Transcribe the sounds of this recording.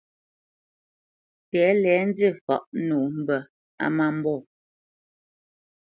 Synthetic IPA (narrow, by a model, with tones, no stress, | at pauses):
tɛː˨˦lɛː˨˦n̩˦d͡zi˦˨fɔ̰˨ʔnuː˨m̩˦˨bə˨ | a̰˦ma˦m̩˦bɔ˦˨